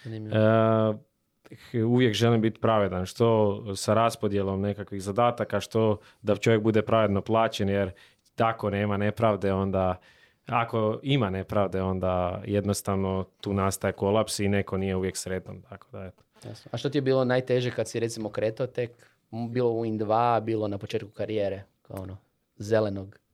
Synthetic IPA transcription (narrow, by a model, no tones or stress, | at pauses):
ni | uʋjekʒe̞limbit̪pɾaʋed̪anʃt̪o̞saɾaspo̞d̪jelo̞mne̞kakʋiɣzad̪aːt̪akaʃt̪o̞ | d̪at͡ʃo̞ʋjek̚bud̪e̞pɾaʋed̪no̞plˠaːt͡ɕenjeɾ | t̪ako̞ne̞ːmane̞pɾaʋd̪e̞o̞nd̪a | ako̞imane̞pɾaːʋd̪e̞o̞nd̪ajed̪no̞st̪aʋno̞t̪uːnast̪aeko̞lˠapsine̞ko̞nije̞uʋje̞ksɾeːt̪nomt̪akod̪aet̪o̥jasnoaʃt̪ot̪ijebiːlonaːjt̪eʒekad̪siɾet̪simokɾeːt̪aot̪ek | biːlˠouind̪ʋabiːlˠonapo̞t͡ʃeːt̪̚ku̥kaɾijeːɾeka̰o̰ono | zelenoɡ